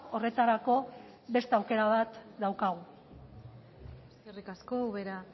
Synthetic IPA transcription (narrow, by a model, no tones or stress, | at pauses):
o̞re̞t̪aɾako̞ | βe̞st̪eawke̞ɾaβat̪d̪awkaɣu | eskerikasko̞uβeɾa